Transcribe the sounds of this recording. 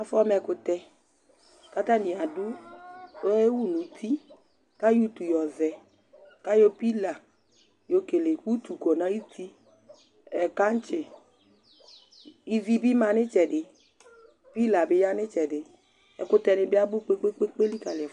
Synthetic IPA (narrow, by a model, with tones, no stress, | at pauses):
a˦fɔ˦mɛ˧kʊ˧t̪ɛ˧ | ka˦t̪a˦nĩ˨a˨dʊ˦ | e˦wu˦nũ˨˦t̪ʰi˦ | ka˦ju˦t̪u˨jɔ˨vɛ˨ | ka˦jo˦pi˦la˨ | jo˧ke˨le˨ku˦t̪u˨ko˨nã˨˦ji˦t̪ʰi˦ | ɛ˨ka˦n̩˦t͡ʃɪ˨ | i˦vi˦bi˦mã˧nɪ˦t͡ʃɛ˨ɖɪ˨ | pi˦la˨bɪ˦ja˦nɪ̃˦t͡ʃɛ˨dɪ˨ | ɛ˨kʊ˧t̪ɛ˧nɪ˧bɪ˦a˦bʊ˦k͡pe˦k͡pe˦k͡pe˦k͡pe˦li˦ka˨lɪ˨ɛ˨f